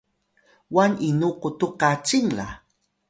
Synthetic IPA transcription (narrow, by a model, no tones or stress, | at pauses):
waninuqutuqat͡ʃiŋla̰